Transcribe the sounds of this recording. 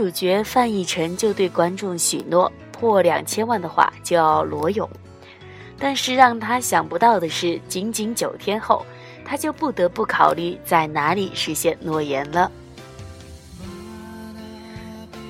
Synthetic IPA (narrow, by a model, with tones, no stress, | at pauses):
u˨˩t͡ɕɥɛ˧˥fa˥˧ni˥˩ʈ͡ʂʰə˧˥ŋt͡ɕjo˥˧ʊt̪we˥˩ɪkwa˥nʈ͡ʂʊ˥˩ŋɕy˨˩nnwɔ˥˩ | pʰwɔ˥˩ljɑ̰˨˩ŋt͡ɕʰjɛ˥nwa˥˩nd̪ə˩xwa̰˥˩t͡ɕjo˥˧jʊlwɔ˧˥jʊ˨˩˦ŋ | t̪a˥˧nʂɻ̩˥˧ɻɑ˥˩ŋt̪ʰa˥ɕjɑ˨˩ŋpu˧˥t̪ɑ˥˩ʊd̪ə˩ʂɻ̩˥˩t͡ɕi˧˥ŋt͡ɕi˧˥ŋt͡ɕjo˨˩ʊt̪ʰjɛ˥nxo˥˩ʊ | t̪ʰa˥t͡ɕjo˥˧ʊpu˥˩t̪ɤ˧˥pu˥˩kʰɑ˨˩ʊly˥˩t͡sa˥˩ɪna˧˥li˨˩ʂɻ̩˧˥ɕjɛ˥˧nnwɔ˥˩jɛ˧˥nlə˧